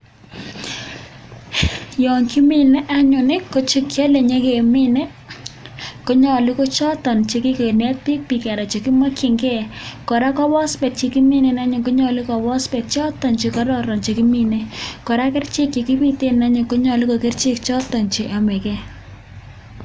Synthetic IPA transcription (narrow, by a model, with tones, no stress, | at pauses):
jɔ˨ŋki˦mi˨nɛ˦ʔa˦ɲʊ˨nɪ˦ko˦t͡ʃi˦kja˦le˨ɲe˦ke˨mɪ˦ne˦ | ko˦ɲɔ˨li˦ko˦t͡ʃɔ˦tɔ˨nt͡ʃe˨kɪ˦ke˨nɛ˦t̚pi˦k̚pi˨kɛ˨ɾa˨t͡ʃe˨ki˦ma˦kɪ˨ŋkɛ˦kɔ˨ɾa˦kɔ˦bɔ˦spɛ˨t̚t͡ʃi˨ki˦mi˦ne˨na˦ɲʊ˨ko˦ɲɔ˨lɪ˦kɔ˨bɔ˦spɛ˨t̚t͡ʃɔ˦tɔ˨nt͡ʃi˨kɔ˦ɾɔ˦˨ɾɔ˨nt͡ʃe˨ki˦mi˦nɛ˦kɔ˨ɾa˦kɪ˦rt͡ʃɪ˦kt͡ʃi˨ki˦pi˦te˦na˦ɲʊ˨ko˦ɲɔ˨li˦ko˨kɪ˦rt͡ʃɪ˦kt͡ʃɔ˦tɔ˨nt͡ʃi˨ʔa˨mɛ˨kɛ˦